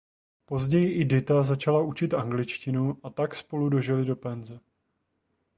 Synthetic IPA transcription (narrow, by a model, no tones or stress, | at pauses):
po̞zɟɛjɪʔɪdɪt̪azat͡ʃalaʔut͡ʃɪt̪ʔaŋɡlɪt͡ʃcɪnuʔat̪akspo̞ludo̞ʒɛlɪdo̞pɛnzɛ